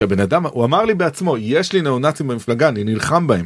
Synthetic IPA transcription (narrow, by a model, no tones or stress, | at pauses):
abe̞nadamuamaʁlibeat͡smo̞jeʃlineonat͡simbemiflaɡaninilχambae̞m